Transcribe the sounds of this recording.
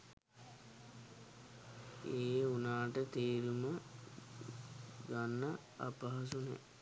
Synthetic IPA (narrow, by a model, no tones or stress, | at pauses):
eːunaːʈət̪eːɾumə | ɡanːə | a̰pɐɦɐs̬unɛ̰